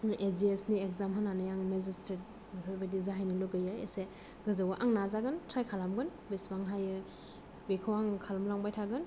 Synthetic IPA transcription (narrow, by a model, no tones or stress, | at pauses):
ʔeziesniekzamɦɯnanɯjaŋmezistɾet̚ | mpʰɾɔbadizaɦajnilɯɡɯjɯḛse | ɡ̥ɯzawaʔaŋnazaɡɯntʰɾajkʰalamɡɯnbesbaŋɦajɯ | bekʰawaŋkʰalamlaŋbajtʰaɡɯn